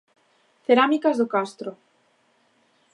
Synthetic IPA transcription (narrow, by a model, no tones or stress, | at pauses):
θeɾamikazðokast̪ɾo